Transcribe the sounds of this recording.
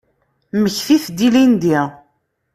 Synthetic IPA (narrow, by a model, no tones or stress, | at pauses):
məçθiθd̪ilind̪i